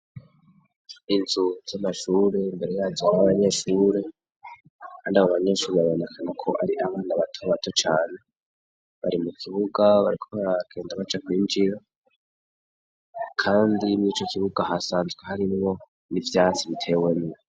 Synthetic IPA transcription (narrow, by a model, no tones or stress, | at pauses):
inzuz̥amaʃuːɾe̞mbe̞ɾe̞jazoaβaɲe̞ʃuːɾe | kʰaːndiaβoβaɲe̞ʃuːɾeβaβo̞nekʰanakʰo̞ʔaɾiʔaβaːnaβatʰoβatʰot͡ʃaːne̞ | βa̰ɾimukʰiβuɡaβaɾikʰoβaaɡ̥e̞ːndaβat͡ʃakwiːɲd͡ʒiɾa | kʰaːndiniːt͡ʃo̞kiβuɡahasaːnzɡwehaɾinimo̞ | nivjaːt͡siβitʰe̞weni